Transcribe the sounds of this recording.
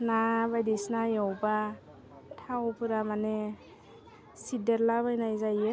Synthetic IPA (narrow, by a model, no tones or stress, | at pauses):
nabajdisnajɔwba | tʰawpʰɯɾamane | sideɾlabajnajzaje